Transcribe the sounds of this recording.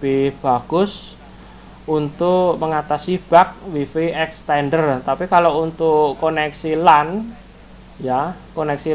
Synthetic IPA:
b̥ib̥aɡ̥ʊs | unt̪ʊʔməŋat̪asib̥ak̚wifiɛkst̪ɛndərt̪apikalount̪ʊkonɛksilan | jakonɛksi

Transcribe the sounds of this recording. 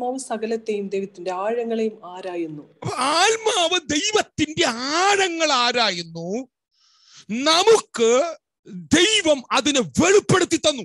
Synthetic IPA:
maːʋɨsɐɣɐlɐt̪ːejumd̪ejʋɐt̪ːinde̞aːɻɐŋːɐɭejumaːɾaːjunːuɐpːɐaːlmaːʋɨd̪e̞jʋɐt̪ːinde̞aːɻɐŋːɐɭaːɾaːjunːu | nɐmukːɨ | d̪e̞jʋɐmɐðinɨʋe̞ɻipːe̞ɽut̪ːit̪ːɐnːu

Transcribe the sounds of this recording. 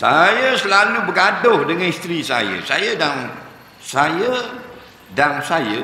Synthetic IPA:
sajəsəlalubəɡadʊhdəŋanist̪ɾisa̰jə̰sajədaŋ | sajə | daŋsajə

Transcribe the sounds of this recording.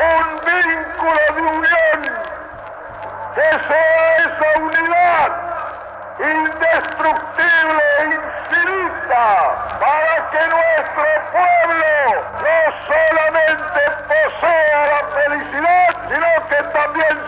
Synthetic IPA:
umbiŋkulod̪iunjon | kesolaesauniðat̪ | ind̪est̪ɾukt̪iβleinsfiɾit̪amaɾakenwɛst̪ɾopwɛβlo | nɔsolament̪eposoalapelisiðat̪sinɔ̃ket̪ambjɛn

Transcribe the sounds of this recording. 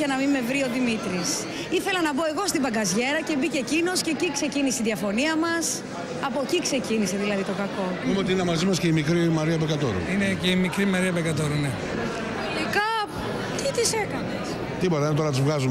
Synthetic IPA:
ʝɐnɐmime̞vɾio̞ðimit̪ɾis | iθe̞lɐnɐbo̞e̞ɣo̞st̪ibɐɡɐzʝe̞ɾɐce̞bicecino̞sce̞cikse̞ciniseiðijɐfo̞niɐmɐs | ɐpocikse̞cinise̞ðilɐðit̪o̞kɐko̞mumeot̪iinɐmɐzimɐsceimikɾimɐɾiɐpekɐt̪o̞̰ɾṵineceimikɾimɐɾiɐpekɐt̪oɾune | ɐlikɐ | t̪it̪ise̞kɐnes | t̪ipo̞t̪ɐinet̪oɾɐt̪izvɣɐzum

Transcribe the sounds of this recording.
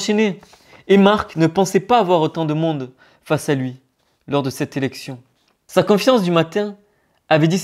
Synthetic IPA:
ʃeneː | maʁknəpɑ̃sɛpaːvwaʁot̪ɑ̃d̪əmɔ̃d̪ | fasalɥi | lɔʁd̪əsɛt̪elɛksjɔ̃ | sakɔ̃fjɑ̃sd̪ymat̪ɛ̃ | avɛd̪is

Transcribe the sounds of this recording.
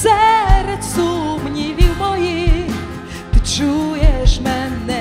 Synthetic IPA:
sɛɾɛt̪sumnʲivʲiwmɔji | t̪ɨt͡ʃujɛʂmɛnɛ

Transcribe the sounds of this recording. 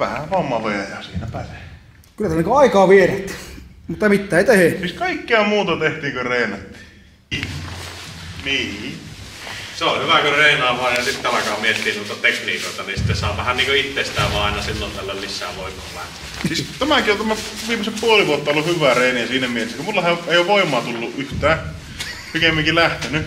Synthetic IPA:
ʋæhæʋɑmːɑʋejɑjɑsiːnæpæle | kylːæt̪æniŋkoɑikɑːʋieræt̪ːmut̪ːɑmit̪ːæːeˑit̪ehesiːskɑikːeɑmuːt̪ɑt̪eht̪iːŋkøreˑinɑt̪ːi̥ː | niː | seohyʋækøreˑinɑːʋˑɑːjɑsit̪ːeɑlɑkɑɑmmiet̪ːˑiːnt̪uoest̪ɑt̪eknḭːkoˑet̪ɑninsi̥t̪ːessɑ̰ˑːpɑhænniːŋkøit̪ːeˑist̪ˑæːʋɑɑˑenɑsilːont̪ælːællisːæ̰ːʋoˑikːˑo̰ːlæ̰ht̪ˑeːssiːst̪æmækiont̪æmæ | ʋiːmeseppuoliʋuot̪ːɑolːuhyʋˑæreˑinijæsiːnæmielesːækumulːɑhæeˑijoʋoˑimˑɑːt̪ulːuʔʔyht̪æː | pikemːiŋkilæht̪eny

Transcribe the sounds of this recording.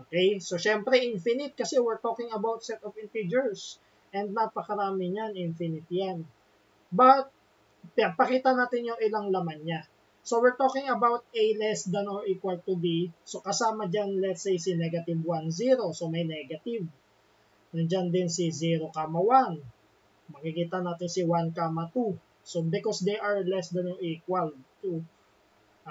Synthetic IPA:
ʔokejso̞ʃɛmpɾɛʔinfɪnɪt̪̚kɐsɛwɪɹt̪okɪŋɐbawt̪̚sɛt̪ɔfɪnt̪id͡ʒɛɹs | ʔɛ̃nd̪̚napɐkɐɾaːmɪɲaŋinfɪnɪt̪jan | bɐt̪̚ | pɪpɐkiːt̪ɐnaːt̪ɪnjʊŋʔɪlaŋlɐmanɲa | sowɪɹt̪oːkɪŋɐbawt̪̚ʔejlɛsd̪ɐnoɹiːkwɐlt̪ubisokɐsaːmɐd͡ʒanlɛt̪sejsinɛɡɐt̪ɪvwanziɾo̞somɐjnɛɡɐt̪ɪv | nɐnd͡ʒand̪ɪnsiziɾokaːmɐwan | mɐkikiːt̪ɐnaːt̪ɪnsiwankaːmɐt̪u | sobɪkɔsd̪eʔɐɹlɛsd̪ɐnoɹʔikwɐlt̪u

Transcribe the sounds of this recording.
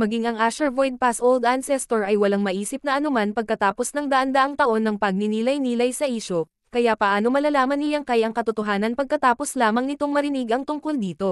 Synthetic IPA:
mɐɡiŋɐŋʔaʃɛɹvojd̪̚pasʔold̪ʔansɛst̪oɹɐjwɐlaŋmɐʔiːsɪp̚nɐʔɐnomanpɐɡ̚kɐt̪aːpo̞snɐŋd̪ɐʔɐnd̪ɐʔɐŋt̪ɐʔo̞nːɐŋpɐɡ̚nɪniːlɐjniːlɐjsɐʔiːʃo̞ | kɐjapɐʔaːno̞mɐlalaːmɐnɪjɐŋkajʔɐŋkɐt̪ʊt̪oɦaːnɐnpɐɡ̚kɐt̪aːpo̞slaːmɐŋnɪt̪o̞ŋmɐɾɪniɡɐŋt̪ʊŋko̞ld̪iːt̪o̞

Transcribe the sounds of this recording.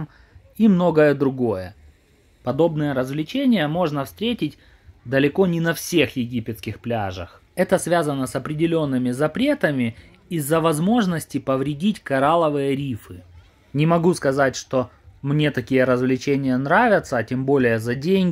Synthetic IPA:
m | imno̞ɡəjəd̪ɾʊɡo̞jə | pɐd̪o̞bnɨjəɾəzvlʲɪt͡ɕenʲɪjəmo̞ʐnəfst̪ɾʲetʲɪtʲ | d̪əlʲɪko̞nʲɪnɐfsʲe̞xjɪɡʲipʲɪt̪skʲɪxplʲaʐə̰x | ɛt̪əsvʲazənəsɐpɾʲɪdʲɪlʲo̞nːɨmʲɪzɐpɾʲe̞t̪əmʲɪ | izːəvɐzmo̞ʐnəsʲtʲɪpəvɾʲɪdʲitʲkɐɾalˠəvɨjəɾʲifɨ | nʲɪmɐɡuskɐzatʲʂt̪o̞mnʲe̞t̪ɐkʲijəɾəzvlʲɪt͡ɕenʲɪjənɾavʲɪt̪səːtʲembo̞lʲɪjəzɐdʲenʲɡʲɪ

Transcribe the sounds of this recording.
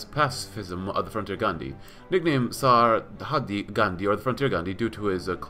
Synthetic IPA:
z̥pʰæsɪ̥fɪzə̃mʌ̰vðəfɹʌ̃ntʰɪɹɡɑ̃ndḭ | nɪk̚nẽɪ̃msɑɹhɑdiɡãndiə˞ðəfɹʌ̃ntʰiɹɡɑ̃ndidʉɾəɪzkʰ

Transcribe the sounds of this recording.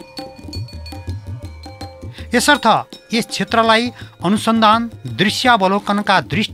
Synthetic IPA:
esʌrt̪ʰʌest͡sʰet̪rʌlajʌnusʌnd̪ʱand̪risjabʌlokʌnʌkad̪risʈ

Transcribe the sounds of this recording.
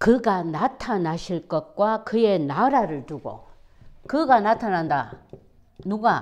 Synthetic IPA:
kɯɡanatʰanaɕʰiɭk͈ʌt̚k͈wakɯje̞naɾaɾɯɭtuɡo̰ | kɯɡanatʰananda | nuɡa

